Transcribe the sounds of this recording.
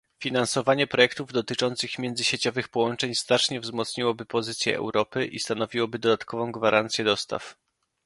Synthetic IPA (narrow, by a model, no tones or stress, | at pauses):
fʲinansɔvaɲɛpɾɔjɛk̚t̪uvd̪ɔt̪ɘt͡ʂɔnt̪sɘxmʲjɛnd̪zɘɕet͡ɕɔvɘxpɔwɔnt͡ʂɛɲst̪at͡ʂɲɛvzmɔt̪sɲiwɔbɘpɔzɘt̪sʲjɛ̰ʔɛ̰wɾɔpɘʔist̪anɔvʲiwɔbɘd̪ɔd̪at̪kʰɔvɔ̃w̃ɡvaɾʔant̪sʲjɛd̪ɔst̪a̰f